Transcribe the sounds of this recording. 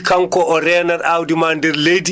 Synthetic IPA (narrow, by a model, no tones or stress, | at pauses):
kaŋkɔʔɔɾɛːnaɾawdimandɛɾlejdi